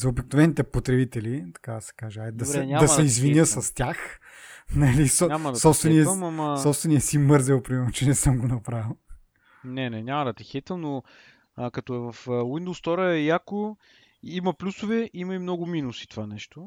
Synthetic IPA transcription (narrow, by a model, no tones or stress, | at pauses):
zɐobiknovɛnit̪ɛpot̪ɾɛbit̪ɛlit̪ɐ̥kad̪ɐsɛ̥kaʒɛd̪ɐɛɲad̪ɐsɛizviəsɐst̪ʲjax | nɐlisɲamɐd̪sɔpst̪vɛnnijɛmɐmɐsɔpst̪vɛnijɛsimɤɾzɛwˠpɾimɛɾnot͡ʃɛnɛsɤmɡonɐpɾavilˠ | nɛnɛɲʲamɐd̪ɐt̪ɛxɛt̪ɛlˠno | kɐt̪ɔɛvɐfwind̪ost̪ɔɾəɛjako | imɐplʲusʊvɛimɐimnɔɡʊminusi̥t̪ovanɛʃt̪o